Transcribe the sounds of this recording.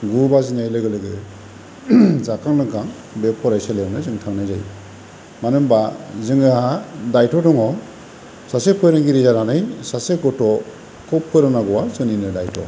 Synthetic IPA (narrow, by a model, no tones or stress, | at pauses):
ɡubazinajlɯɡɯlɯɡɯ | zakaŋlɯŋkʰaŋ | bepʰɔɾajsalewnɯzɯŋtʰaŋnajzaj | manɯmbazɯŋɯadajtɔdɔŋɔ | sasepʰɯjɾɯŋɡiɾizaɾanɯjsasekɔtɔ | kɔpʰɯɾɯnaɡɔwazɯninɯdajtʰɔ̰